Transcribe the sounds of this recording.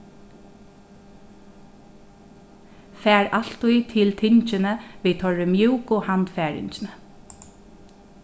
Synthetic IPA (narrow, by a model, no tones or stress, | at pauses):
fæːɹal̥t̪ujt̪ʰɪlt̪ʰɪɲt͡ʃɪnəʋiːt̪ʰɔɹɪmjuːkʊhant̪fɛːɹɪ̰ɲt͡ʃɪnə